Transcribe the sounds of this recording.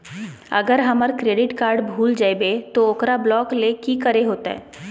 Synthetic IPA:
ɐ̰ɡəɾɦɐməɾkɾeːɖɪʈkaːɾɖbʱuːld͡ʒaebet̪ooːkɾablɔːklekikəɾeɦoːt̪aɦɛ̰ː

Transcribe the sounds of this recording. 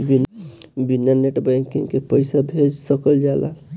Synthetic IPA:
binbinːaɾneʈbaŋkĩŋkepəjsabʱed͡ʒsəkəld͡ʒala̰

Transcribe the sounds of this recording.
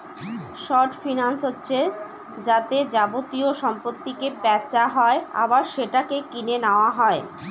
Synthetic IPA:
ʃɔɾʈfinansɦotːɕʰe | d͡ʑat̪ed͡ʑabot̪ioʃɔmpot̪ːikepɛt͡ɕaɦɔea̰baɾʃeʈakekinenaoaɦɔe

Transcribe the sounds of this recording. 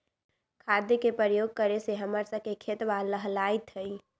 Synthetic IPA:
kʰad̪jekepɾəɾəjoɡ̚kəɾeseɦəməɾsəb̚kekʰet̪ʋaːəɦlait̪ɦəi

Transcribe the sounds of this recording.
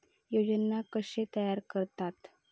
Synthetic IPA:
jod͡ʑənakəɕet̪əjaɾkəɾt̪at̪

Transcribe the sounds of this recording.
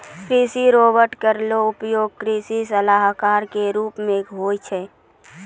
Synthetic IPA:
kɾisiɾoːbəɾʈkəɾloʊpjoːɡ̚kɾisisəlaɦkaːɾkeɾuːpmẽɡʱoːjt͡ʃʰɛː

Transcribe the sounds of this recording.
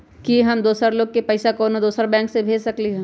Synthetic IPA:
kiɦɐmd̪oːsəɾloːɡ̚kepɐɪsakɔːnod̪oːsəɾbɛ̃ːŋksebʱeːd͡ʒsɐkliɦɛ̃ː

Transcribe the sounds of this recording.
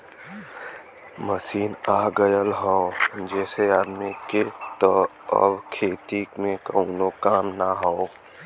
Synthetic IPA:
məsiːnaːɡəjəlɦɔːd͡ʒɛːseaːd̪miket̪ɔɔ̰bkʰeːt̪ikmẽkənokaːmnaɦoː

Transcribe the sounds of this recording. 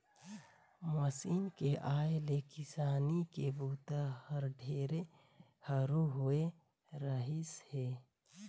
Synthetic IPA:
məsiːnkeʔaːelekɪsaːnikebuːt̪əhəɾɖʱeːɾe | həɾoɦʊe | ɾəɦishe

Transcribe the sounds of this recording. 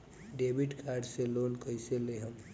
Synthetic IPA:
ɖebiʈkʰaɾɖselonkəjseleɦəm

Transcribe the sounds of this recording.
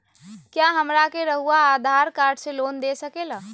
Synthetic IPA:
kjaɦəmɾakeɾəɦuaːd̪ʱaɾkaɾɖselond̪esəkela

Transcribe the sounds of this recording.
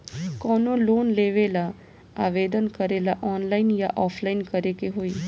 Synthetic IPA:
kɔːnoloːnleːʋela | aːʋed̪ənkəɾelaʔɔːnlainjaʔɔːpʰlainkəɾekeɦoːiː

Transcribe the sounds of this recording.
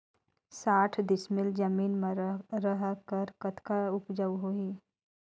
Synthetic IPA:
saːʈʰd̪ɪsmɪld͡ʒəmiːnmẽɾəɦkəɾkət̪kaʊpd͡ʒəʋɦoːiː

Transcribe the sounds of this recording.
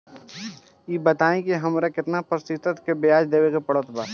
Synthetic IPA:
jiːbət̪aːẽkiɦɐmɾekɪt̪napɾsit̪ət̪kebɪjaːd͡ʒd̪eːʋekepəɽət̪baː

